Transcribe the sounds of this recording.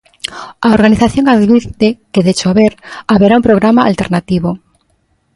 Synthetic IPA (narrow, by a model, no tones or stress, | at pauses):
aoɾɣaniθaθjo̞ŋaðβiɾt̪ekeðet͡ʃoaβeɾaβeɾaumpɾoɣ̞ɾamaa̰lt̪e̞ɾnat̪iβo